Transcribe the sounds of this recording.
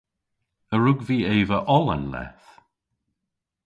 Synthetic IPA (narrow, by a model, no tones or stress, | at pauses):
əɹʊɡviːeːvəʔɔlə̰nlɛ̰θ